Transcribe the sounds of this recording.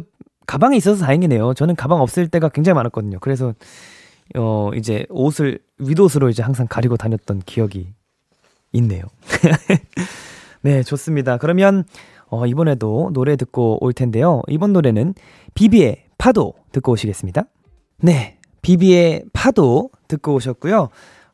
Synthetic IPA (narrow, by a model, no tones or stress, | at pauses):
kabaŋiis͈ʌsʰʌtaiŋine̞jot͡ɕʌnɯnkabaŋʌp̚s͈ɯɭt͈e̞ɡakwe̞ŋd͡ʑaŋimanak͈ʌdɯɲokɯɾe̞s̬ʰʌ | ʌḭd͡ʑe̞osʰɯɭ | ɥidos̬ʰɯɾoid͡ʑe̞haŋsʰaŋkaɾiɡotaɲʌt̚t͈ʌnkijʌɡiː | nːe̞̰jo | ne̞t͡ɕos͈ɯmɲidakɯɾʌmjʌn | ʌibʌne̞donoɾe̞tɯk̚k͈oo̰ɭtʰe̞nde̞joḭbʌnːoɾe̞nɯn | pibie̞ | pʰadotɯk͈ooɕʰiɡe̞s͈ɯmɲida | ne̞ | pibie̞pʰadotɯk̚k͈ooɕʰʌt̚k͈ujo